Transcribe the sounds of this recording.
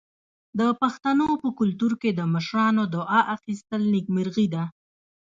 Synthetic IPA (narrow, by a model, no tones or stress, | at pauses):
d̪əpaxt̪anopəkʊlt̪uɾked̪əməʃɾɑnod̪ʊʔɑʔaxist̪əlnɪkmɪɾɣid̪a